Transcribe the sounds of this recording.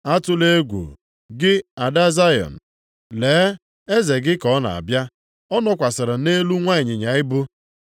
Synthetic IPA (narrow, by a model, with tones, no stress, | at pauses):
a˦tʊ˦le˦ɡʷṵ˨ | ɡɪ˦a˨da˦za˦jɔ̰˨n̩˨ | leː˨˦ | e˦ze˨ɡɪ˦kɔ˨˦na̰˨a̰˨bja˦ | ɔ˦nɔ˦kʷa˨sɪ˨ɾɪ˨ne˦lu˦ŋʷa˦ɪ˨ɲɪ˨ɲa˨˦ɪ˦bʊ˦